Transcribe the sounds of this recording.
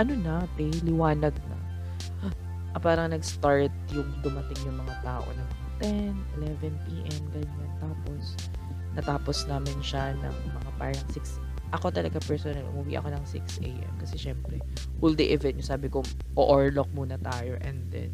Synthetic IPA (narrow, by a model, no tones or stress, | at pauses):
ʔɐnonɐpɛlɪwaːnɐɡ̚nɐ̰ | ʔɐpaːɾɐŋnɐɡst̪aɹt̪̚jʊŋd̪ʊmɐt̪ɪŋjʊŋmɐŋat̪aːʔo̰nɐŋɐat̪ɛnʔɪlɛvɛnpiːʔɛmɡɐɲːant̪aːpo̞s | nɐt̪aːposnaːmɪnʃɐnɐ̰ŋmɐŋapa̰ɾɐŋsɪks | ʔɐko̞t̪ɐlɐɡapɛɹsonɐlʔʊ̰mʊwḭʔɐ̰ko̞nɐŋsɪ̰ksʔḛjʔɛ̰mkɐsɛʃɛmpɾɛ | ʔuld̪ɛʔɛvɛnɲʊsaːbɪko | ʔoʔoɹlok̚muːnɐt̪aːjo̞ʔɛnd̪ɛ̰n